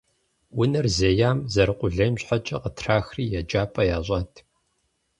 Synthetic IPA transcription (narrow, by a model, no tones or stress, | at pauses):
wʊnɐrzejaːmzɐɾɨqʷʊɮɐjmɕħat͡ʃʼɐqətʰraːxriːjɛd͡ʒʼaːpʼɐjaːɕʷʼatʰ